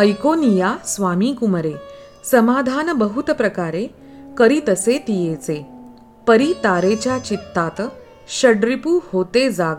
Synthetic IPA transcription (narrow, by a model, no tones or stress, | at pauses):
əjkonijasʋamikuməɾe | səmad̪ʱanbəɦut̪pɾəkaɾe | kəɾiːt̪əset̪ijet͡se | pəɾit̪aɾet͡ɕjat͡ɕit̪ːat̪ | ɕəɽɾipuːhot̪ed͡zaɡ